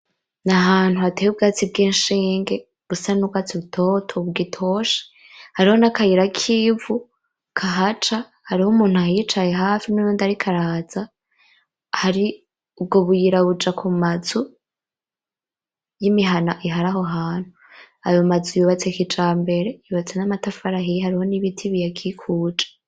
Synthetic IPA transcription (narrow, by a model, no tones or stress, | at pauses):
naɦaːn̥huatejub̚ɡaːt͡sib̚ɡiːnʃiːŋɡe̞ | ɡ̥usanubɡat͡siβutʰo̞tʰoβɡitʰo̞ʃe̥ | haɾiho̞nakajiɾakʰivu | kʰaɦat͡ʃa | haɾihomuːn̥huajit͡ʃaje̞ɦaːfinujundaɾikʰaɾaːz̥a | haɾi | ub̚ɡoβujiɾaβud͡ʒakʰumazu | jimiɦanaʔiɦaɾaɦo̞ɦaːn̥hu | a̰jomazujuβat͡sekit͡ʃaːmbe̞ɾe̞juβat͡senamatafaɾaɦihaɾiho̞niβitʰiβijakʰikʰuːd͡ʒḁ